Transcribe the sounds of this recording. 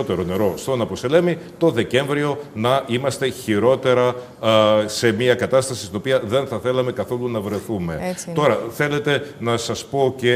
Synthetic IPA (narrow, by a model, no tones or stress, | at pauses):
ot̪e̞ɾo̞ne̞ɾo̞st̪o̞nɐposele̞mit̪o̞ðe̞ce̞ɱvɾio̞nɐʔimɐst̪e̞çiɾo̞t̪e̞ɾɐ | se̞miɐkɐt̪ɐst̪ɐsi̥st̪ino̞piɐðe̞nθɐθe̞lɐme̞kɐθo̞lunɐvɾe̞θume̞t̪o̞ɾɐθe̞le̞t̪e̞nɐsɐspo̞ce̞